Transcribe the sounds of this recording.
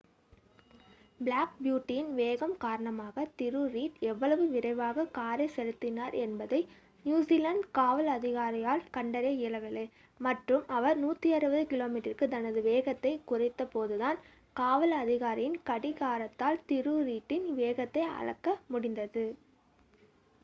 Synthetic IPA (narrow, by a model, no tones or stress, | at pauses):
bɪlaːk̚bjuːʈːɪjɪnʋeːɣɐmkaːɾɐɳɐmaːɣɐt̪ɪɾɯɾiːʈɛʋːɐɭɐʋɯʋɪɾɐɪʋaːɣɐkaːɾɐsɛɻɯt̪ːɪnaːɾɛnbɐðɐɪ | njuːsiːlɐɳɖkaːʋɐlɐðɪɣaːɾɪjaːlkɐɳɖɐɾeːɪlɐʋɪlːɐɪ | mɐʈrɯmɐʋɐɾnuːt̪ːiɐɾɯbɐðɯkɪloːmiːʈɐrkɯt̪ɐnɐðɯʋeːɣɐt̪ːɐɪkʊrɪt̪ːɐpoːðɯðaːn | kaːʋɐlɐðɪɣaːɾɪjɪnkɐɽɪɣaːɾɐt̪ːaːlt̪ɪɾɯɾiːʈːɪnʋeːɣɐt̪ːɐɪɐ̰ɻɐ̰kːɐmʊɽɪnd̪ɐðɯ